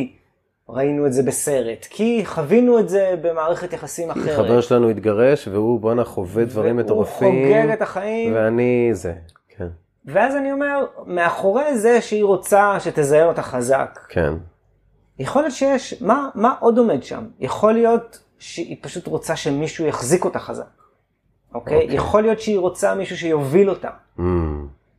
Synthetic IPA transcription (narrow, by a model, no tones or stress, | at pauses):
ʁainuetze̞bese̞ʁe̞tkʰiχavinuetze̞be̞maːʁeχe̞tjaχasimaχeʁχaveʁʃelanuit̪ɡaʁe̞ʃveubonaχovedvaʁimeoʁafχoɡeɡetaχaimveanize | kʰen | veazanio̞me̞ʁme̞aχo̞ʁe̞zeʃeiʁo̞t͡saʃetezajemo̞taχaza̰kkʰḛn | jeχo̞lijo̞tʃejeʃmamaʔo̞do̞me̞dʃa̰mjaχo̞lijo̞t | ʃeʔipaʃutʁo̞t͡saʃemiʃujaχziko̞taχaza̰k̚ | ʔokʔkejʔeχo̞lijo̞tʃeiʁo̞t͡samiʃuʃejo̞vilo̞ta̰